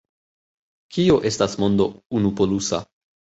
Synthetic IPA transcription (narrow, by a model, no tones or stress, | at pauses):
kio̞ʔe̞stasmo̞nd̪o̞unupo̞lusa̰